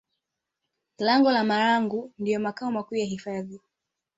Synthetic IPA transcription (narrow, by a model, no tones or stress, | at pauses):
laŋɡɔlamaɾaŋɡundijɔmakaɔmakuːjaɦifaði